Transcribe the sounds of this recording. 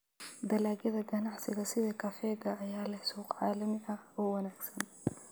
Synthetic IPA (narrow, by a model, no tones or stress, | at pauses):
d̪ɐlaːɡɐðɐɡɐnɑʕsɪɣɐsɪðɐkʰɐfɛːɣɐːjaːlɐhsuːqʕɑ̰ːlɐmɪʔɐhɔːwɐnaːɡsɐn